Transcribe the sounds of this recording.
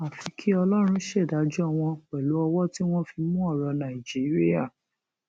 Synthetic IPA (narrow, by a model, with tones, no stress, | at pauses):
a˨fi˨˦kʰi˦ɔ˧lɔ˦ɾ̃ũ˧˦ʃɛ˦˨da˨˦d͡ʒu˦a˦˧w̃ɔ̃˧k͡pɛ˨lu˨˦ɔ˧wɔ˦ti˦w̃ɔ̃˦fi˧mũ˦ɔ˦˨ɾɔ˧nã˨i˨d͡ʒi˨˦ɾi˦a˦˨